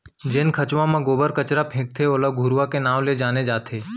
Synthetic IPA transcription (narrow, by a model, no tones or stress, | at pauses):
d͡ʒeːnkʰət͡ʃʋãmãɡoːbəɾkət͡ʃɾapʰẽːk̚t̪ʰeoːləɡʱuɾʋakenãːʋled͡ʒaːned͡ʒaːt̪ʰeː